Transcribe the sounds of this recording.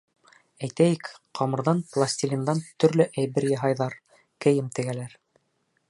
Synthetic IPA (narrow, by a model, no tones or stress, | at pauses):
æjt̪æjɘkqʰɑmɤ̆ɾðɑnplˠasʲt̪ʲilʲind̪ɑnt̪ɵ̆ɾlɵʔæjβɘɾjɑɦɑjðɑɾ | kɘ̆jɘmt̪ɘ̆ɡælæɾ